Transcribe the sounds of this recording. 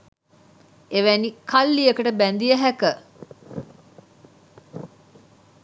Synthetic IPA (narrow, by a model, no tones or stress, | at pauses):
eʋænikʰalːijəkəʈəbænd̪iəɦækə